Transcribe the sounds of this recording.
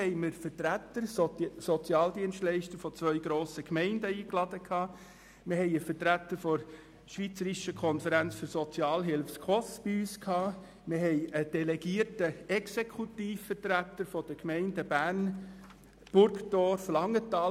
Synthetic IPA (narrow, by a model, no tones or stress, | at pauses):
ɛɪməɾfətɾæt̪əɾsɔt͡sjɑːld̪iənstlɛɪʃtəɾfɔt͡sʋœʏɡɾoːsəkmɛɪndəiːklɑd̥əkʰhɑː | mɪhɛɪəfəɾtɾæt̪əɾfɔɾ | ʃʋiːt͡səɾiʃəkʰɔnfəɾænt͡sfʏɾsɔt͡sjɑːlɦɪlfskʰɔsb̥iyːskʰhɑː | mɪɦɛɪəd̥ɛlɛɡ̥iəɾtəɛksekʰutiːfːəɾtɾæt̪əɾfɔd̥əkmɛɪndəbæːɾn | b̥ʊɾktɔːɾflɑŋːətɑː